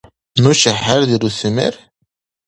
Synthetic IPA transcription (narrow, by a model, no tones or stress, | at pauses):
nuʃəħaɾðiɾusmə̰ɾ